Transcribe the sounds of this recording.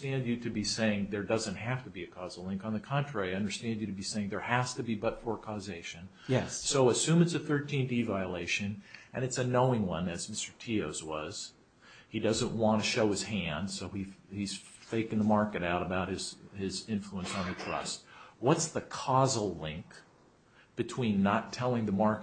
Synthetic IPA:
stæ̃nd͡ʒɨɾɨbiseɪɪ̃ŋðə˞dʌzɨ̃nt̚ɦæftɨbiɨkʰɔzl̩ˠlɪ̃ŋkn̩ðɨkʰɑ̃nt͡ʃʰɹ̥ɛɹiʌ̃ndə˞stæ̃nd͡ʒɨɾɨbiseɪɪ̃ŋðə˞hæstɨbibʌtfə˞kʰɔzeɪʃɨ̃n | jɛsoʊɨsʉ̃mɨtsɨθɜ˞tʰĩndivaɪəleɪʃɨ̃nʔɨ̃nɨtsɨnoʊɪ̃ŋwʌ̰̃nɨzmɪstə˞tʰioʊzwʌ̰z̥ | idʌzə̃nʔwɑ̃ntʰɨʃoʊɨz̥hæ̃nd̥soʊiiz̥feɪkɪ̃ŋðəmɑɹkɨɾaʊɾəbaʊt̚hɨz̥ɪzɪ̃ɱfluə̃nsn̩ðɨtʰɹ̥ʌ̰st̚wʌtsðɨkʰɔzl̩ˠlɪ̃ŋk | b̥ɨtʰw̥ĩnːətʰɛlˠɪ̃ŋðɨmɑɹk

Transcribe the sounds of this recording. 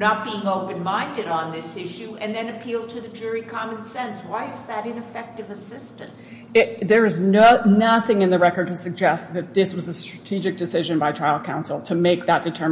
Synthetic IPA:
nət̚b̥iɪ̃ŋoʊpɨ̃nmãɪ̃ndɨɾn̩ðɪsɪʃʉʔɨ̃nðɨ̃nɨpʰilˠtʰɨðɨd͡ʒʊɹikʰɑmɨ̃nsɛ̃nswaɪɨzðɨɾɨ̃nɨfɛk̚tɨvɨsɪstɨ̰̃n | ɪðə˞ɨzonʌθɪ̃ŋɨ̃nðɨɹɛkə˞d̚tʰɨsɨɡ̚d͡ʒɛst̪̚ðɨt̪̚ðɪswʌzəstɹ̥ɨtʰid͡ʒɨk̚d̥ɨsɪʒɨ̃nbaɪtʰɹ̥aɪl̩ˠkʰãʊ̃nsl̩ˠtʰɨmeɪk̚ðət̚d̥ɨtʰɜ˞

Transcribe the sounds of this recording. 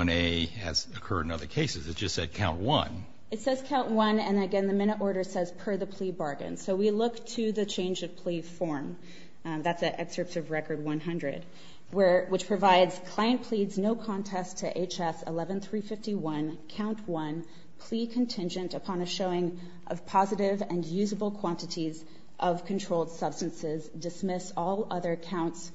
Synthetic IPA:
neɪɨ̰z̥ɨkʰɜ̰˞ɾɨ̃nʌðə˞kʰeɪsɨzɨtsd̥ʒ̥ʌstsɛd̚kʰãʊ̃nʔwʌ̰̃n | ɨtsɛz̥kʰãʊ̃nʔwʌ̃nɨ̃nɨɡɛ̃nðɨmɪ̃ɾ̃əɾɔɹɾə˞sɛz̥pʰə˞ðɨpʰl̥ibɑɹɡɨ̰̃nsoʊwilʊktʰɨðɨt͡ʃʰẽɪ̃nd͡ʒʌv̥pʰl̥ifɔɹm | ðætsɨʔɛksə˞psɨvɹɛkə˞d̚wʌ̃nɦʌ̃ndɹɨ̰d̚ | wə˞wɨt͡ʃpʰɹ̥ɨvaɪdz̥kʰl̥aɪɨ̃npʰl̥idznoʊkʰɑ̃ntʰɛstʰɨʔeɪt͡ʃɛsə̰lɛvɨ̃nθɹifɪftiwʌ̃nkʰãʊ̃nʔwʌ̃n | pʰl̥ikʰɨ̃ntʰɪ̃nd͡ʒɨ̃ntɨpʰɑ̃nɨʃoʊɪ̃ŋ | ʔʌv̥pʰɑzɨɾɪvɨ̃njʉzəbl̩ˠkʰw̥ɑ̃ntɨɾiz | ʔʌv̥kʰɨ̃n̩tʰɹ̥oʊlˠd̥sʌb̥stɨ̃nsɪzdɨsmɪsɔlˠʌðə˞ɨkʰãʊ̃nts

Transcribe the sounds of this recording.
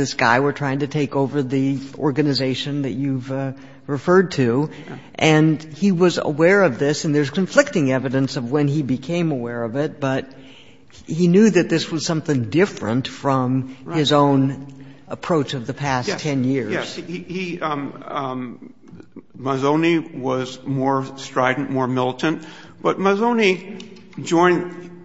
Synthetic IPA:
ðɪsɡ̥a̰ɪwə˞tʰɹ̥aɪɪ̃ŋtʰɨtʰeɪkoʊvə˞ðiɔɹɡɨnɨzeɪʃɨ̃nðɨ̰t͡ʃʉv | ɹɨfɜ˞d̚tʰʉ | ʔɨ̃niwʌzə̰wɛɹʌvðɪsɨ̃n̩ðə˞z̥kɨ̃ɱflɪk̚tɪ̃ŋɛvɨɾɨ̃nsʌvwə̃nibɨkʰẽɪ̃məwɛɹʌvɪt̚b̥ʌt̚ | hinjʉðɨt̪̚ðɪswʌz̥sʌ̃mθɪ̃ŋdɪfɹɨ̰̃ntfɹʌ̃mɪzõʊ̃nəpʰɹ̥oʊt͡ʃʌvðɨpʰæstʰɛ̃njɪɹjɛz̥ihi | məzõʊ̃niwʌzmɔɹstɹ̥aɪdⁿn̩mɔɹmɪlˠtɨ̃n̩t | b̥ʌt̚məzõʊ̃ni | d͡ʒɔ̃ɪ̃n

